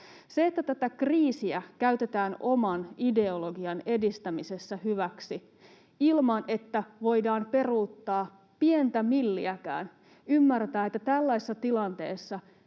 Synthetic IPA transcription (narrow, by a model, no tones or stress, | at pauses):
seːt̪ːæt̪æt̪ækriːsiækæyt̪e̞t̪æːno̞mɑnide̞oloɡiɑne̞dist̪æmise̞sːæhyʋæksi | ilmɑne̞t̪ːæʋo̞jdɑːmpe̞ruːt̪ːɑː | pient̪æmilːiækæ̰ːn | ymːært̪æːet̪ːæt̪ælːæisesːɑt̪ilɑnt̪e̞ːsːɑ